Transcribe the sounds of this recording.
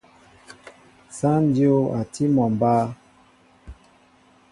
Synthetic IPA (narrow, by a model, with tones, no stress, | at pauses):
sa˦n˦di˦o˦a˨ti˦mɔ˨m˨ba˦